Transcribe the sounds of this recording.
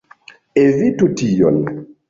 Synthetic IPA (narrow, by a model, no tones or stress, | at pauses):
evitutijo̰n